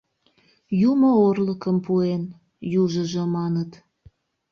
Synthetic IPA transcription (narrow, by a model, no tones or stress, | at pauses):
jumoorləkəmpuen | juʒəʒəmɑnət̪